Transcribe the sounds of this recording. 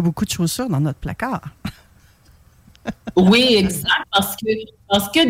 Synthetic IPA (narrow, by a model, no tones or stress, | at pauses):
bokud̪əʃoːz̥syːʁd̪ɑ̃nɔt̪χpla̰kaːʁ | wiɛɡzak̚t̪̚paʁsə̥kə | paʁsə̥kə